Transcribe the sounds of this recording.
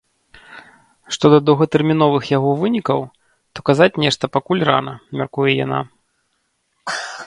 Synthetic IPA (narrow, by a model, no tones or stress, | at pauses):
ʂt̪ɔd̪ɐd̪ɐwɣɐt̪ɛrmʲinɔvɨxjaɣɔvɨnʲikɐw | t̪ɔkazat͡sʲnʲɛʂt̪ɐpakulʲra̰nɐmʲarkujɛja̰na̰